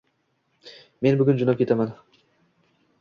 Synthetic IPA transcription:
me̞nbʊɡʲʊnd͡ʒʊnapkʲʰe̞t̪aman

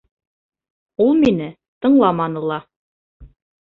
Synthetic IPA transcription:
ulˠminɘ | t̪ɤ̆ɴlˠɑmɑnɤlˠɑ

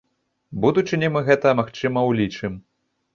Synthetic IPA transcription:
bud̪ut͡ʂɨnʲɛmɨɣɛt̪ɐmaxt͡ʂɨmɐwlʲit͡ʂɨm

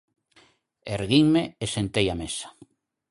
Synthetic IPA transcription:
eɾɣiŋmeesent̪ejamesḁ

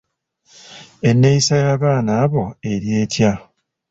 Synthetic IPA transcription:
e̞nːe̞isajaːβaːnaːβo̞e̞ɾje̞ːtja

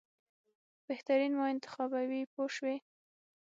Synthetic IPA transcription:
b̥eht̪aɾinmoɪnt̪ɪ̥xɑbawipoʃwe

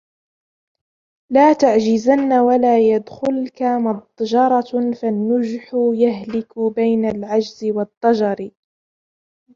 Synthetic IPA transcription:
laːt̪aʕd͡ʒɪzanːawalaːjad̪xʊlkamɑd̪ˤd͡ʒɑɾˤɑfanːʊd͡ʒħʊjaɦlɪkʊbajnalʕad͡ʒzɪwɑt̪ˤːɑd͡ʒɑɾ

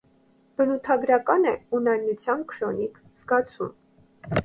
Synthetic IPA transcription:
b̥ənut̪ʰɑɡɾɑkɑnɛunɑjnut͡sʰjɑnkʰɾɔnik | z̥ɡɑt͡sʰum

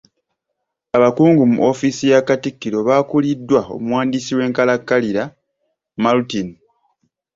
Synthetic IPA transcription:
aβakuːŋɡumṵʔo̞fisijakatikːiɾo̞βaːkulidːwao̞̰mwaːndisiwe̞ːŋkalakːaliɾa | malutin

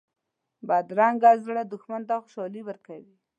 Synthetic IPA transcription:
bad̪ɾɑŋɡazɽad̪ʊxmant̪axʊ̥ʃɑliwəɾkawi

